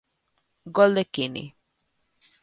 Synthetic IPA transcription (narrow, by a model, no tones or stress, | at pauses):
ɡɔlekinḭ